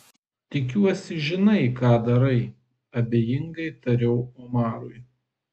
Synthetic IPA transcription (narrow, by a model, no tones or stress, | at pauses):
t̪ʲɪkʲuɔsʲɪʒʲɪnɐɪkɑːd̪ɐɾɐɪ | ɐbʲeːjɪŋɡɐɪt̪ɐɾʲɛʊomɑːɾʊj